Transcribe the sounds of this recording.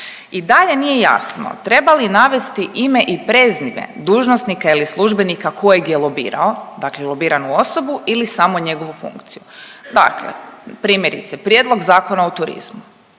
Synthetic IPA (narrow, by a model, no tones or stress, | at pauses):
id̪aʎe̞nijeja̰sno̰t̪ɾe̞balinaʋe̞st̪iʔimeʔipɾeːzniʋḛd̪uːʒnosnikailislˠuʒbe̞nikakʰojeɡjelobḭːɾa̰od̪aklelˠo̞biːɾanuo̞so̞builisamo̞ɲe̞ɡo̞ʋufṵŋkt̪sijud̪a̰klḛpɾiːmje̞ɾḭt̪sepɾjeːd̪lˠo̞ɡzaːko̞naut̪uɾḭzmu